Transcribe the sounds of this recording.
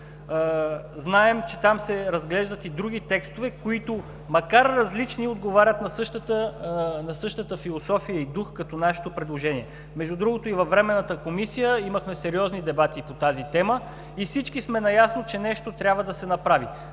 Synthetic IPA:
znaɛmt͡ʃɛt̪amsɛɾɐzɡlɛʒd̪ət̪id̪ɾuɡ̟it̪ɛkst̪ovɛkoit̪o | mɐkaɾːɐzlit͡ʃniod̪̚ɡovaɾʲət̪nɐsɤʃt̪ət̪ənɐsɤʃt̪ət̪əfilˠosɔfijəid̪uxkɐt̪ɔnaʃɛ̥t̪opɾɛd̪lˠoʒɛniɛ | mɛʒd̪ud̪ɾuɡot̪oivɐvːɾɛmɛnːət̪əkomisijəiməxmɛsɛɾiɔznid̪ɛbat̪ipot̪azit̪ɛmə | ifsit͡ʃkismɛnɐjasnot͡ʃɛnɛʃt̪ot̪ɾʲabvəd̪ɐsɛnɐpɾavi

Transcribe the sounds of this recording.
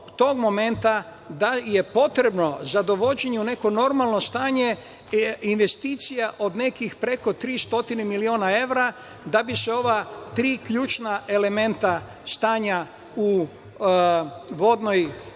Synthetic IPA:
t̪o̞ɡmo̞me̞nt̪a | d̪aje̞po̞t̪ɾe̞bno̞zad̪o̞ʋo̞d͡ʑe̞ɲeune̞ko̞no̞ɾmalˠno̞st̪aːɲe | inʋe̞st̪iːt̪sijaʔo̞d̪ne̞kixpɾe̞ko̞t̪ɾiːst̪o̞t̪inemilioːnae̞ʋɾa | d̪abiseo̞ʋat̪ɾiːkʎuːt͡ʃnaʔe̞le̞me̞nt̪a | st̪aːɲa | u | ʋo̞d̪noj

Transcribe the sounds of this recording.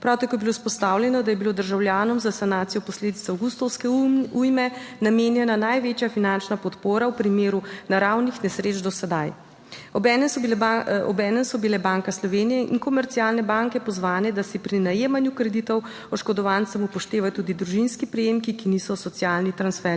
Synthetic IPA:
pɾawt̪akoːjɛbilospɔst̪awlʲjɛnɔd̪ajɛbilod̪əɾʒawljaːnɔmzasanaːt̪sijɔpɔsleːd̪it̪sawɡust̪ɔwskɛujmɛnameːnjɛnanajʋeːt͡ʃjafinant͡ʃnapɔt̪poːɾawpɾimeːɾunaɾawnixnɛsɾeːd͡ʒd̪ɔsɛd̪aj | ɔbɛnɛmsɔɔ̰bɛːnɛmsɔbilɛbaŋkaslɔʋeːnijɛʔḭnkɔmɛɾt̪sialnɛbaŋkɛpɔzʋaːnɛd̪asipɾinajeːmanjukɾɛd̪it̪ɔw | ɔʃkɔd̪ɔʋant̪sɛmupɔʃt̪eːʋajt̪uːd̪id̪ɾuʒinskipɾɛjeːmkikinisɔsɔt̪sijaːlnit̪ɾansfɛɾ

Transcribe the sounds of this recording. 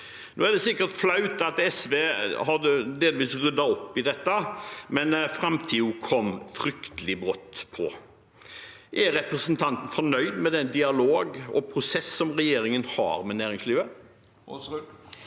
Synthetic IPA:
noːæd̪ɛsɪkːəɾt̪flɑʉt̪ɑt̪ɛsʋeːhɑd̪əd̪eːləʋiːsʁʏd̪ːɑɔpːɪd̪ɛt̪ːəmɛnfɾɑmt̪ʰiːukʰɔmfɾʏkt̪əlɪbɾɔt̪ːpʰɔ | ʔɛɾɛpɾəsənt̪ʰɑnt̪n̩fɔnœʏd̪mɛd̪ɛnd̪ɪɑloːɡɔ̰pʰɾʊsɛsːɔmʁɛjeːɾɪŋənhɑ̰ɾmɛnæːɾɪŋsliːʋə

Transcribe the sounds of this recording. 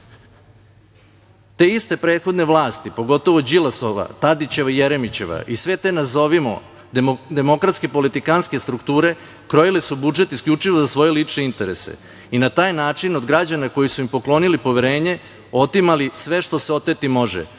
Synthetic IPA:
t̪e̞ːist̪e̞pɾe̞ːt̪xo̞d̪neʋlˠaːst̪ipo̞ɡo̞t̪o̞ʋod͡ʑilˠasoʋa̰t̪ad̪it͡ɕe̞ʋaijeɾe̞mit͡ɕe̞ʋa̰ʔisʋe̞t̪eːnazo̞ʋimo̰ | d̪emo̞kɾat̪ske̞po̞lit̪ikanske̞st̪ɾukt̪uːɾe̞ | kɾojilesubud͡ʒe̞t̪iskʎʲut͡ʂiʋo̞zasʋo̞jeliːt͡ʂneint̪e̞ɾe̞sḛ | inat̪aːjnaːt͡ʂinod̪ɡɾad͡ʑanako̞jisuimpo̞klˠo̞nilipo̞ʋeɾe̞ːɲe̞ | o̞t̪imalisʋe̞ʃt̪o̞seo̞t̪et̪imo̞ʒḛ

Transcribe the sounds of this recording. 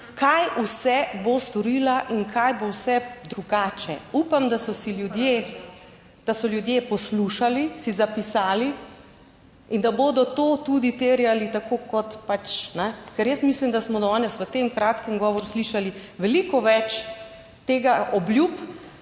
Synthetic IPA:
kajusɛbost̪ɔɾiːlaʔinkʰajbowsɛd̪ɾuɡaːt͡ʃɛ̰upamd̪asɔsiljud̪je | d̪̥asɔljud̪jepɔsluʃalisizapisaːli | ind̪aboːd̪ɔt̪oːt̪ud̪it̪eːɾjalit̪akokɔt̪pat͡ʃnɛkɛɾjəsmislimd̪asmɔd̪ɔnɛsʋət̪emkɾaːt̪kəŋɡɔːʋɔɾusliʃaliʋɛlikɔʋɛt͡ʃ | t̪eːɡaʔɔblʲjup

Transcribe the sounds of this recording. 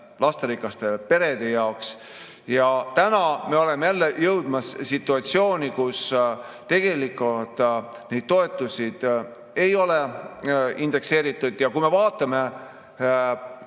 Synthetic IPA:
lɑst̪eɾikːˑɑst̪e̞pe̞ɾe̞d̪̥e̞jɑoks | jɑt̪ænɑme̞o̞le̞mejælːejɤwd̪̥mɑssit̪ːˑuɑt̪sio̞ːnʲikus | t̪e̞ɡ̥e̞likːˑult̪ | ne̞jd̪̥̚t̪o̞e̞t̪ːˑusʲid̪̥ | e̞jo̞le | ind̪̥e̞kse̞ːɾit̪ːˑud̪̥jɑkujme̞vɑːt̪ːˑɑme̞

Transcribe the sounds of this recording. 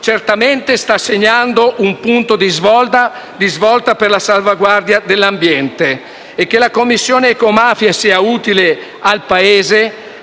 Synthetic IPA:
t͡ʃert̪ament̪est̪asːeɲːand̪oʔumpunt̪od̪izvɔlt̪a | d̪izvɔlt̪aperlasalvaɡward̪jad̪elːambjɛnt̪eː | kːelakomːisːjoːneːkomafjasiauːt̪ile | alpaeːze

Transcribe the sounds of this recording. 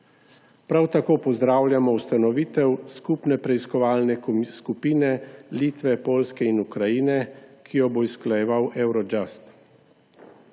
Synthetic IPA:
pɾawt̪akoːpɔzd̪ɾaːwlʲjamɔwst̪anɔʋiːt̪ɛwskupnɛpɾɛiskɔʋaːlnɛskupiːnɛliːt̪ʋɛpoːlskɛinukɾajiːnɛkʰijɔboisklajɛʋawʔɛwɾɔd͡ʒast̪

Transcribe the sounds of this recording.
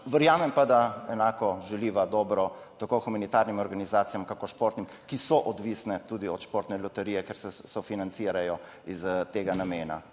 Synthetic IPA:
ʋəɾjaːmɛmpad̪aɛnaːkɔʒɛliːʋad̪ɔːbɾɔ | t̪akoxumanit̪aɾnimɔɾɡanizaːt̪sijamkakoɾʃpoːɾt̪nim | kisɔʔɔd̪ʋisnɛt̪ud̪iɔt̪ʃpoːɾt̪nɛlɔt̪ɛɾiːjɛkeɾsɛsɔfinantsiɾajɔ | izt̪eːɡanameːna̰

